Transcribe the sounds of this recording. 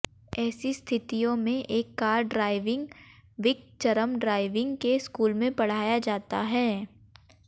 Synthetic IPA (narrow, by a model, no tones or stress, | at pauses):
ɛːsist̪ʰɪt̪ijõmẽʔeːkːaːɾɖɾaːɪʋɪ̃ŋɡʋɪk̚t͡ʃɐɾəmɖɾaːɪʋɪ̃ŋɡkeskuːlmẽbɐɽ̤aːjad͡ʒaːt̪aɦɛː